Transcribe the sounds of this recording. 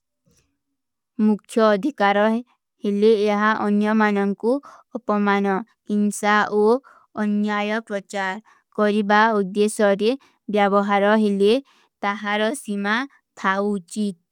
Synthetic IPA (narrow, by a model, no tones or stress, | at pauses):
mukʰjɔːd̪ʱikaɾɔ | heleːɦaʔɔnjɔmanɔŋkuɔpɔmanɔkinsaʔo | ɔnjajɔpɾɔt͡ʃaɾ | kɔɾibaud̪esɔɾe | bjabɔɦaɾɔɦele | t̪aɦaɾɔsima | t̪ʰawːt͡ʃit̪̚